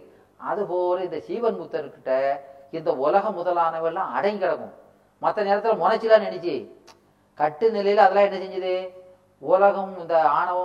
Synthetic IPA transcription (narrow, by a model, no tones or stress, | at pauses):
ɐ̰ðɯpoːɾɐɪnd̪ɐsiːʋɐnmut̪ːɐɾɯkːɪʈːɐɪnd̪ɐʊlɐɣɐmːʊðɐlaːɳɐʋɐlãːɐ̰ɽɐŋɡkɪɽɐkːʊ̰̃ | mɐt̪ːɐneːɾɐt̪ːɪlɐmʊnɐt͡ʃːɯlːãːnɛɳɪt͡ʃːɯ | kɐʈːɯnɪlɐjɪlɐðɐlãːɛnːɐsɛɲd͡ʒɐðɯ | ʊlɐɣɐmɪnd̪ɐaːɳɐʋɐ